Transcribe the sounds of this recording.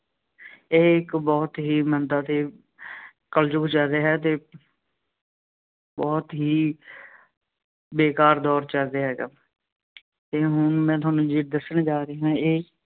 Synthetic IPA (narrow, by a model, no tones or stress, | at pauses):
eːɪkbɔːt̪ɦiːmənd̪aːt̪eː | kəld͡ʒʊkt͡ʃəlɾeːɦɛːt̪eː | bɔːt̪ɦiː | beːkaːɾd̪ɔːɾt͡ʃəlɾd̪eːɦɛːɡaː | t̪eːɦʊɳmɛ̃ːt̪̬ʊɦaːnũːd͡ʒiːʈ̚d̪əsːəɽd͡ʒaːɾəeːɦãːeː